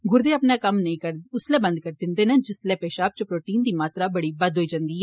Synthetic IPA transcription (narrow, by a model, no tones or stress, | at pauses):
ɡʊɾd̪eːəpnaːkəmnəĩːkəɾʊslɛːbə̃nd̪̚kəɾd̪ɪnd̪eːnɛ̃d͡ʒɪslɛːpeːʃaːp̚t͡ʃəpɾoːʈiːnd̪iːmaːt̪ɾaːbəɽiːbəd̪ʱɦoːiːd͡ʒə̃nd̪iːɦɛː